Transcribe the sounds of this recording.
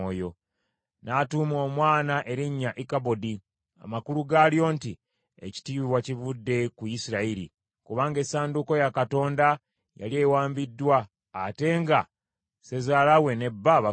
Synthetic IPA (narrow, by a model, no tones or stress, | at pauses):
ojo̞ | natuːmo̞mwaːnaʔe̞ɾiɲːaʔikabo̞di | a̰makuluɡaːljo̞ːnti | ḛci̥tiːβiβwacivudːe̞kujisiɾaiɾḭ | kuβaːŋɡe̞saːnduko̞jakato̞ːnda | ja̰lie̞waːmbidːwaː | te̞ːŋɡa | se̞zaːlawe̞ne̞bːaβa